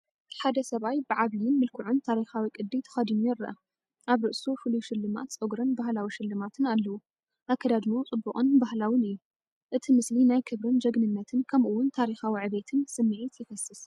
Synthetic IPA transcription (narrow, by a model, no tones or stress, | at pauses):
ħad̪ɐsɐβajbɨʕaβijɪnmɨlkʰɨʕunt̪ʰaɾixawikʼɨd̪ːit̪ʰɐ̥xɐd̪inujɪɾːɐʔɐ | ʔaβɾɨʔsufɨluʃɪlːɨma̰t̪sʼoɡɾɐnbahlawiʃɪlːɨmat̪ʰɨnalːɐwu | ʔakʰːɐd̪ad̪nut͡sʼɨbːukʼunbahlawinɨjːu | ʔɨt̪ʰimɨslinajkʰɨβɾɨnd͡ʒɐɡnɨnːɐt̪ʰɨnkʰɐmʔuwːʊnt̪ʰaɾixawiʕɨβet̪ʰɨnsɨmːiʕit̪jɪfɐsɨs